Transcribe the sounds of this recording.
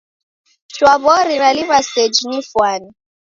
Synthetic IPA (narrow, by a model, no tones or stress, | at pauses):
ʃwaβɔɾiɾaliβasɛd͡ʒinifwani